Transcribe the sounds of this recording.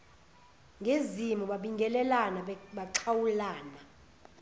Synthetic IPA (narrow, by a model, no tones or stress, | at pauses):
ŋʱezimuɓaɓiŋɡʱɛlɛlanaɓaǁʰawulaːna